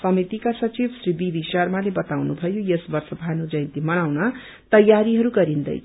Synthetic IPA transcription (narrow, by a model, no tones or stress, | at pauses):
sʌmit̪ikasʌt͡sibsribibisarmalebʌt̪awnubʱʌjojesbʌrsʌbʱanod͡zʌjnt̪imʌñawnʌ | t̪ʌjaɾiɦʌɾuɡʌɾind̪ʌ̰jʰ